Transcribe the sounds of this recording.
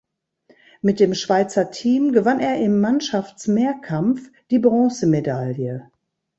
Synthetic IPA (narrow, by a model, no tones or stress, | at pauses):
mɪt̚d̥eːmʃv̥aɪt͡sɐtʰiːmɡəvaneːɐʔɪmːanʃaft͡smeːɐkʰamfd̥iːbʁɔ̃ːsəmedaljə